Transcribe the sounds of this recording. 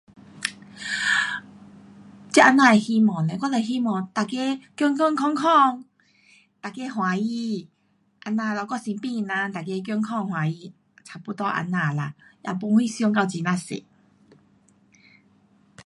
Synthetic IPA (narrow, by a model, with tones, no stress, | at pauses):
t͡ɕi˦ʔa˧nã˧˩e˨hi˦mɔ̃˨ne˨kwa˧˥˦ne˨ɦi˦mɔ̃˨t̪a˨ke˦kjɔ˧˦ŋkɔ˥˧˨ŋkʰɔ˥˧˨ŋkʰɔ˥˧ŋ | t̪a˨ke˦ɦwã˨˦ji˧˦ | ʔa˧nã˧˨lɔ˧˩kɔ˥˧˨si˧npĩ˥˧˨nã˧t̪a˨ke˧˦k̬jɔ˧ŋkʰɔ˥˧˨ŋhwã˨˩i˧˦ | t͡sʰa˨˩pu˧˦t̪ɔ˧ʔa̰˧nːã˧˩la˧jʔa̰˧˩p̬u˧˦ŋhi˦˧sjɔ˧ŋka˧wt͡ɕi˨nã˧sḛ˨